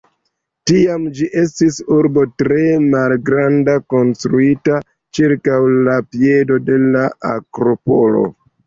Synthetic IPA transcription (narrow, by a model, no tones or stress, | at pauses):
tiamd͡ʒiʔe̞s̬tisuɾbo̞tɾe̞malɡɾandako̞nstɾuita | t͡ʃiɾkawlapie̞do̞de̞laa̰kɾo̞po̞lo̞̰